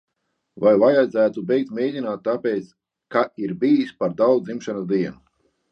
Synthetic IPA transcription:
vajvajad̪zæːt̪ubɛjk̚t̪mʲeːd̪ʲinaːt̪̚ːapʲeːt̪s | kaiɾbijisʲpaɾd̪awd̪d̪imʃanazd̪iɛnu

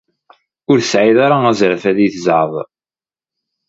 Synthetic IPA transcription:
ʊɾθəsʕiðaɾaæzɾfæðiθəzʕəðˤ

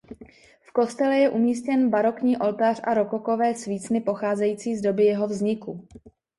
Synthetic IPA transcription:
fko̞st̪ɛlɛjɛʔumiːs̬cɛnbaɾo̞kɲiːʔo̞lt̪ar̝ʔa̰ɾo̞koko̞vɛːsviːt͡snɪpo̞xaːzɛjiːt͡siːzdo̞bɪjɛɦo̞vzɲɪku

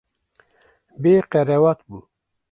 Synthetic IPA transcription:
beqɛɾewat̪bu

